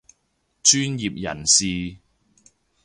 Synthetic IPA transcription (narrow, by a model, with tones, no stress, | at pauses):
t͡ʃyː˥njiː˨p̚jɐ̰˨˩nsiː˨